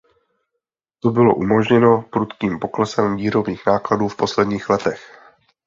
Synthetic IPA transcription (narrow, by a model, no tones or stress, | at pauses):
t̪obɪlo̞̰ʔumo̞ʒɲɛno̞pɾut̪kiːmpo̞klɛsɛmviːɾo̞bniːxnaːkladuːfpo̞slɛdɲiːxlɛt̪ɛx